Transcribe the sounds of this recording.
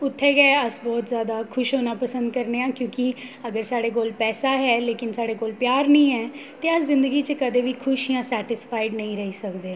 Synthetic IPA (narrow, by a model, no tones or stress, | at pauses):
ʊt̪ʰːɛːɡɛːəsbɔːt̪zjaːd̪aːkʰʊʃɦoːnaːpəsə̃nd̪̚kəɾneːãːkjõːkɪəɡəɾsaːɽeːk̬oːlpɛːsaːɦɛːleːkɪnsaːɽeːkoːlpjaːɾnəĩːɦɛː | t̪eːəszɪ̃nd̪əɡiːt͡ʃəkəd̪eːʋiːkʰʊʃiːãːsɛːʈɪspʰaːɪɖnəĩːɾəɦiːsəkd̪eː